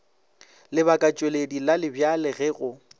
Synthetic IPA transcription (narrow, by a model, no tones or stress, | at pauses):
lɪβakʼat͡ʃʼweledilalɪbjalɪɣɛɣʊ